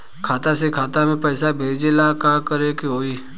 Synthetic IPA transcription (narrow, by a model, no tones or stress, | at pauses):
kʰaːt̪asekʰaːt̪amẽpɛɪsabʱeːd͡ʒelakaːkəɾekiɦoːiː